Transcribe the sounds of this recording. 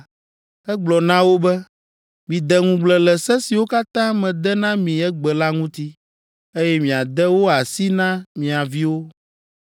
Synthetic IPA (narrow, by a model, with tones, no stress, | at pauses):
ɛ˦ɡ͡blɔ˨nã˦wo˦bɛ˦ | mĩ˨d̪ɛ˨ŋũ˦ɡ͡blɛ˨lɛ˨sɛ˦si˨wo˦ka˦t̪ã˦mɛ̃˨d̪ɛ˦nã˦mĩ˨ɛ˦ɡ͡bɛ˨la˦ŋũ˦t̪i˦ | e˦jɛ˦mĩ˨a˨d̪ɛ˦wo˦a˨si˦nã˦mĩ˨a˨vi˦wo˦